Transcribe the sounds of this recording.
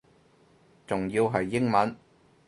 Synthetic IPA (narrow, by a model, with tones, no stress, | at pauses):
t͡sʊ˨ŋjiː˧wɦɐ˨jːɪ˥ŋmɐ˨˥n